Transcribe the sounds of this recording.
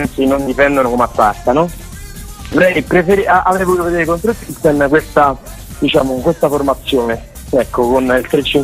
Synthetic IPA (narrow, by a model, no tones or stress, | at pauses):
nt̪sinond̪ipɛnd̪onokomatːart̪anɔ | d̪oɾɛjpɾefeɾiʔaʔavɾɛjvot̪uːt̪oved̪eːɾekont̪ɾot̪iksonkwest̪a | d̪it͡ʃaːmookwest̪aformat̪sːjoːne | ɛkːokonilt̪ɾet͡ʃːiŋ